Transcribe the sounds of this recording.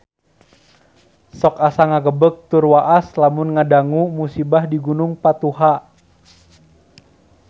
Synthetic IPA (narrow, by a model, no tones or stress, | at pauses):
sɔkasaŋaɡəbək̚t̪ʊrwaʔaslamʊnŋadaŋumusibahdiɡunʊŋpat̪uɦa